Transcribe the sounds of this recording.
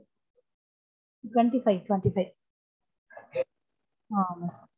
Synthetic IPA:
ʈweɳʈifajʈweɳʈifaj | a

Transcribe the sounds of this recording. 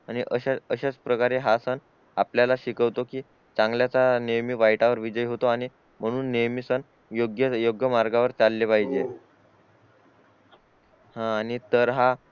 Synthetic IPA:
aɽ̃iʔəɕaəɕat͡spɾəkaɾeɦasən | apljalaɕikəʋt̪okiː | t͡sãŋɡljat͡sanejmiʋajʈaʋəɾʋid͡ʑəjɦot̪oaɽ̃i | m̤əɽ̃uːnːejmisən | joɡjəjoɡjəmaɾɡaʋəɾt͡salːepaɦid͡ʑe | hãːñit̪əɾɦa

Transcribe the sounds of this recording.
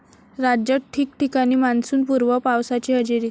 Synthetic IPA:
ɾad͡ʑəʈʰiːkʈikaɽ̃iːmansuːnpuɾʋəpawsat͡ɕiːɦəd͡ʑiɾiː

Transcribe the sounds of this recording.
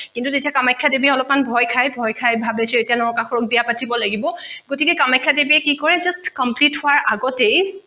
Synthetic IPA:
kintutetijakamajkʰːadebiɛɔlɔpmanbʱɔjkʰajbʱɔjkʰajbʱabesɛetijanɔɹkaxɔɹɔk̚bijapatʰibɔlaɡibɔɡotikɛkamajkʰːadebiɛkikɔɹɛzastkɔmplithʊaɹʔaɡɔtej

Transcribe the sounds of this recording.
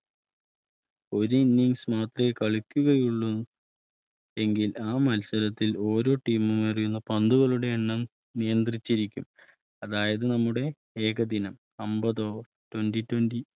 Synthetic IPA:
o̞ɾuinːiŋsmaːt̪rɐekɐɭukʲːuɣɐjuɭːun | e̞ŋɡilaːmɐlsɐɾɐt̪ːilo̞ːɾo̞ːʈːiːmumɐrijunːɐpɐnd̪uɣɐɭuɽe̞eɳːɐm | nijɐnd̪rit͡ɕːiɾikʲːum | ɐðaːjɐðɨnɐmːuɽe̞ | eːɡɐd̪inɐm | ɐmbɐðo̞ː | twɐnditwɐnɖi

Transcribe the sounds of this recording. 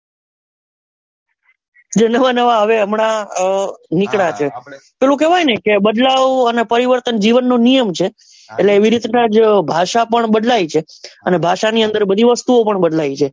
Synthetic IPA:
d͡ʒenəʋanəʋaɦəʋeəmɳa | nikɽat͡ʃʰepelũkɛʋajnəkebəd̪laʋənepəɾiʋəɾt̪ənd͡ʒiʋənːonijəmt͡ʃʰeː | ʈleːʋiɾit̪nad͡ʒbʱaʃapəɳbəd̪lajit͡ʃʰeənebʱaʃaniənd̪əɾbəd̪ʱiʋəst̪uopəɳbəd̪lait͡ʃʰe

